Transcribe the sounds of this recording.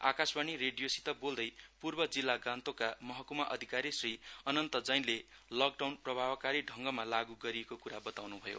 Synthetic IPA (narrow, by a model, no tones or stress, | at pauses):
a̰kasbanireɖijosi̥t̪ʌbold̪ʌjpurbʌd͡zilːaɡãnt̪okamʌɦʌkumaʔʌd̪ʱikaɾisriʌnʌnt̪ʌd͡zʌjnlelʌk̚ɖawnprʌbʱabkaɾiɖʱʌŋɡʌmalaɡuɡʌɾiekokuɾabʌt̪awnubʱʌjo̰